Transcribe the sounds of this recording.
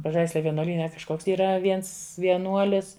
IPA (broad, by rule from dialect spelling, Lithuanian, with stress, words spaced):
pɐˈʒɐɪsʲlʲɛ ʋʲiɛnuɔˈlʲiːnʲɛ kɐʃˈkoːks iːˈrɐ ˈʋʲiɛns ʋʲiɛˈnuɔlʲɪs